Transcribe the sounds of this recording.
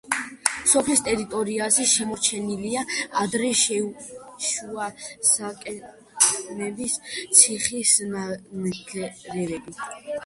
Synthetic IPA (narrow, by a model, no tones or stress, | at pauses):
sɔpʰlist̪ʼɛɾit̪ʼɔɾiazɛʃɛmɔɾt͡ʃʰɛniliaad̪ɾɛʃɛʃuasakʼɛ | nɛbist̪sʰiχismɡɛɾɛvɛbi